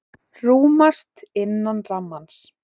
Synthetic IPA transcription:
ruːmast̪ɪnːanramːans

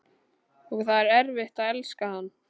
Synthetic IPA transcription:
ɔɣθaðɛɾɛɾvɪht̪aðɛlskahanː

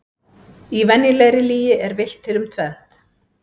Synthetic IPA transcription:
ivɛnjʏlɛɣɾɪliːjɪʔɛɾvɪl̥t̪ʰːɪlʏmt̪ʰvɛn̥t̪

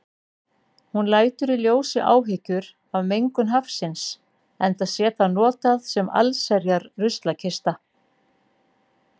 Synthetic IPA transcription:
hunlaːjt̪ʏɾiljoːwsɪʔa̰ːwɦɪcʏɾ | awmejŋkʏnɦafsɪns | ɛnt̪aðsjɛːt̪anɔːt̪aðsɛma̰lsɛɾjaɾrʏst̪lacʰɪst̪a

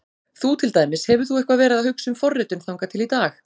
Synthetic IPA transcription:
θut̪ʰɪlt̪ajmɪshɛvʏɾ̥θuɛhkvavɛːɾɪaðahʏksʏmfɔrːɪt̪ʏnθawŋkat̪ʰɪlit̪aːx

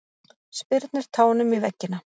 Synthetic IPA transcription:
spɪɾt̪nɪɾ̥t̪ʰaːwnʏmivɛcːɪna

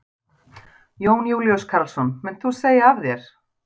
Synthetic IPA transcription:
joːwnjuːwljɔskʰaɾlsɔnmɛnθuseːjaavðjɛɾ̥

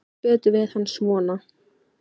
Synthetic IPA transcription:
pɛːt̪ʏvɪðhanːsmɔːna

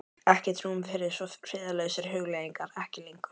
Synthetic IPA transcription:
ɛhcɛt̪n̥umfɪɾɪsɔfɾɪːðalœːɥsɪɾ̥ɦʏɣleːjiŋkaɾɛhcɪlijŋkʏ̥

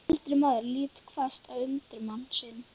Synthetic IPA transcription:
lt̪ɾɪmaːðʏɾliːt̪kʰvast̪avʏnt̪ɾʏmawnsɪn

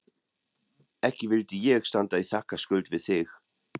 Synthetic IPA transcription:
ɛhcɪvɪlt̪ɪjɛɣst̪ant̪aiθakːaskʏlt̪vɪðθɪx

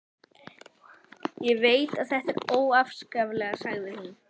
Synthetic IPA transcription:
jɛveːjt̪aðθɛht̪ɛɾoːwafskavlɛɣasaɣðɪhunː

